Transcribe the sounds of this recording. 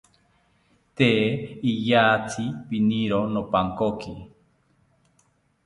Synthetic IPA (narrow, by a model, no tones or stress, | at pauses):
t̪eijaːt͡sʰipiniɾonopaŋkoki